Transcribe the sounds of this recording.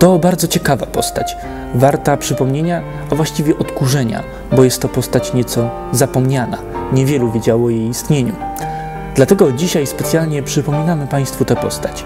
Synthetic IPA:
t̪ɔbaɾd̪zɔt͡ɕɛkava̰pɔst̪at͡ɕ | vaɾt̪apʂɘpɔmɲeɲa | ɔvwaɕt͡ɕivʲjɛʔɔt̪kuʐɛɲa̰ | bɔjɛst̪ːɔpɔst̪at͡ɕɲɛt̪sɔ | zapɔmɲana̰ɲɛvʲjɛluvʲjed͡ʑawɔjejist̪ɲeɲṵ | d̪lat̪ɛɡɔd͡ʑiɕajspɛt̪sʲjalɲɛpʂɘpɔmʲinamɘpaj̃st̪fut̪ɛpɔ̰st̪ḁt͡ɕ

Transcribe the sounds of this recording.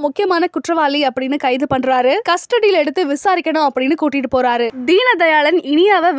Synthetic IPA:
mʊkːɪjɐmaːnɐkʊʈrɐʋaːliɐpːɐɽɪnːɯkɐɪðɯpɐɳːɾaːɾɯkɐsʈɐɽɪjɪlɛɽɯt̪ːɯʋɪsaːɾɪkʲːɐɳʊ̃ɐpːɐɽɪnːɯkuːʈːɪʈːɯpoːɾaːɾɯd̪iːnɐd̪ɐjaːɭɐnɪɳɪjaːʋɐ

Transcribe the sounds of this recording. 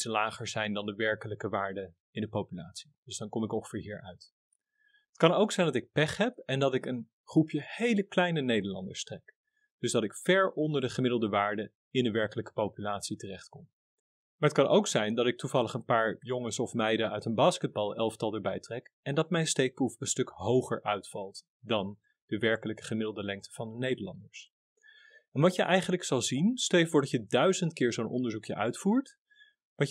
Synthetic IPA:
səlaːχəɹzɛjndɑndəʋɛɹkələkəʋaːɹdə | ɪndəpowpyla̰ːtsi̥d̥ɵzdɑnkɔmɪkɔ̃χə̥vɪːɹɦiːɹœɥt | ɦətkɑnowksɛjndɑtɪk̚pɛχɦɛpɛndɑtɪkən | χrupjəhejləklɛjnənejdəɹlɑ̰ndəɹstrɛk | d̥ɵzdɑtɪkfɛɹɔndəɹdəχəmɪdlˠdəʋaːɹdə | ɪndəʋɛɹkələkə̥powpylaːtsitərɛχtkɔm | maɹətkɑnʔo̰wksɛjndɑtɪk̚tuvɑlˠəχənpaːɹjoŋənsɔfmɛjdəœɥtənbaːskəd̚bɑlˠɛlˠftɑlˠdəɹbɛjtrɛkɛndɑt̚mɛjnstejk̚prufənstɵkɦowχə̰ɹʔœɥtfɑlˠt | dɑn | d̥əʋɛɹkələkə̥χəmɪdlˠdəlɛŋk̚tə̥v̥ɑndənejdəlɑ̰ndəɹs | ɛnʋɑtəʔɛjχənləksɑlˠzinstɛjfʊːɹdɑcədœɥzəntkɪːɹzownʔɔ̰ndəɹzukjəʔœ̰ɥtfuːɹt | ʋɑ

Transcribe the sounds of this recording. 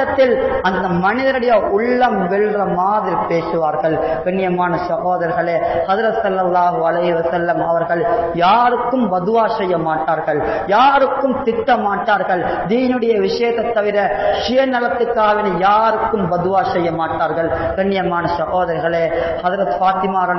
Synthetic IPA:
ɐt̪ːɪlɐnd̪ɐmɐnɪðɐɾɯɽɐjɐʔʊɭːɐmʋɛɭrɐmaːðɪɾpeːsɯʋaːɾɣɐɭkɐɳːɪjɐmaːnɐsɐɦoːðɐɾɣɐɭeːhɐðɪɾɐt̪sɐlːɐlːaːɦɯɐlɐɪhɯʋɐsɐlːɐmɐʋɐɾɣɐɭjaːɾɯkːɯmbɐðɯʋaːsɐjːɐmaːʈːaːɾɣɐɭ | jaːɾɯkːɯmt̪ɪʈːɐmaːʈːaːɾɣɐɭ | d̪iːnɯɽɐjɐʋɪʂɐjɐðɐt̪ːɐʋɪɾɐʂɪjɐnɐlɐt̪ːɯkːaːʋɪnɐjaːɾɯkːɯmbɐðɯʋaːsɐjːɐmaːʈːaːɾɣɐɭkɐɳːɪjɐmaːnɐsɐɣoːðɐɾɣɐɭeː | hɐðɪɾɐt̪faːt̪ɪmaːɾɐ

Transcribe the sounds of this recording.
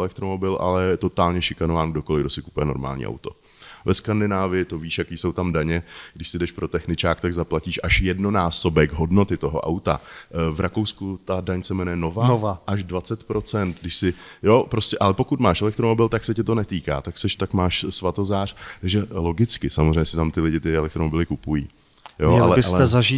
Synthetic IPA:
ɛlɛk̚t̪ɾomo̞bɪlʔa̰lɛjɛt̪o̞t̪aːlɲɛʃɪkanovaːnɡdokolɪɡdo̞sɪku̥pujɛno̞̰ɾma̰ːlɲḭːʔa̰wt̪o̞ | vɛskandɪnaːvɪjɪt̪oviːʃjakiːso̞wt̪amdaɲɛɡdɪʃsɪdɛʃpɾo̞t̪ɛxnɪt͡ʃaːkt̪aɡzaplaciːʃʔaʃjɛdno̞naːso̞bɛɡɦo̞dno̞t̪ɪt̪o̞ɦoʔa̰wt̪a̰vɾʔakowskut̪adaɲsɛmɛnujɛno̞vanovaʔaʒdvat͡sɛt̪pɾo̞t͡sɛnt̪ɡdɪʃsɪjopɾo̞scʲɛʔalɛpo̞kut̪maːʃʔɛlɛk̚t̪ɾomo̞bɪlt̪aksɛcɛt̪o̞nɛt̪iːka̰ːt̪aksɛʃt̪akmaːʃsvat̪o̞zaːr̥t̪aɡʒɛlo̞ɡɪt͡skɪsamozrɛjɲɛsɪt̪amt̪ɪlɪɟɪt̪ɪɛlɛk̚t̪ɾomobɪlɪkupujḭː | joɛalɛbɪalɛɛzaʒiː

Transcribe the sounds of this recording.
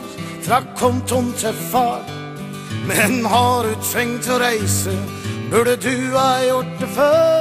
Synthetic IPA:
fɾakʰːɔmt̪ʰɔnt̪ʰɛɾfɑɾ | mɛnhɑɾʉt̪ʰvɛŋt̪ɔɾaɪsə | bʉɖəd̪ʉaɔʈːəfœ

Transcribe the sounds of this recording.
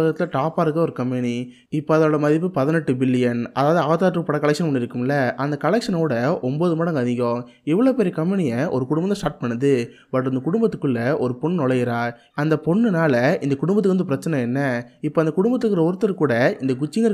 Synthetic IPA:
ɐɣɐt̪ːɪlɐʈaːpaːɾɯkːɐɔɾɯkɐmpɛni | ɪpːoɐðɐoːɽɐmɐðɪpːɯpɐðɪnɛʈːɯbɪlːɪjɐnɐðaːʋðɯɐʋɐt̪aːʈrɯpɐɽɐkːɐɭɛkʂɐnɐmɐɳːɪɾɯkːɯmɪlːɐʔɐnd̪ɐkɐɭɛkʂɐnɐkuːɽɐɔmboːðɯmaːɽɐŋɡɐðɪŋɡõː | ɛʋːɐɭoːpɛɾɪjɐkɐmpɛnɪjɐʔɔɾɯkʊɽʊ̃mbɐt̪ːɐsʈaːɾʈ̚pɐɳːɐðɯ | bɐʈːɐnd̪ɐkʊɽʊmbɐt̪ːɯ̥kːɯɭːɐɔɾɯpɔɳnɔɭɐjɪɾaːɾ | ɐnd̪ɐpɔɳːɯnaːlɐɪnd̪ɐkʊɽʊmbɐt̪ːɯkʋɐnd̪ɯpɪɾɐt͡ʃːɐnɐ̃ɛnːɐɪpːoɐnd̪ɐkʊɽʊmbɐt̪ːɯkːɾɐɔɾɯt̪ːɐɾkuːɽɐɪnd̪ɐɡʊt͡ʃːɪŋɡɐɾ

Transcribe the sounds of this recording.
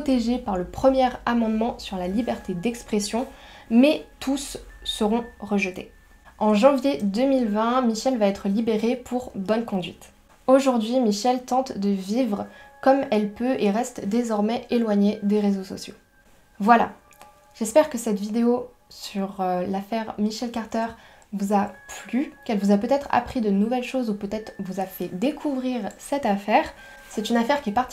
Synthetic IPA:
ot̪eʒepaʁləpχəmjɛʁamɑ̃d̪mɑ̃syʁlalibɛʁt̪ʰed̪ɛkspχesjɔ̃mɛt̪ʰusːəʁɔ̃ʁəʒət̪e | ɑ̃ʒɑ̃vjed̪ømilvɛ̃miʃɛlvaɛt̪χəlibeʁepʰuʁbɔnkɔ̃d̪ɥit̪ | oʒuʁd̪ɥimiʃɛlt̪ɑ̃t̪d̪əvivʁkɔmɛlpøʔeʁɛst̪d̪ezɔʁmɛelwaɲed̪eʁezosɔ̰sjo | vwala̰ | ʒ̥ɛspɛʁkəsɛt̪vid̪eo | syʁlafɛʁmiʃɛlkaʁt̪œʁ | vuzaplykɛlvuzapøt̪ɛt̪χa̰pχid̪ənuvɛlʃozupøt̪ɛt̪χvuzafɛd̪ekʰuvʁiʁsɛt̪afɛʁ | sɛt̪ynafɛʁkʲiɛpaʁt̪

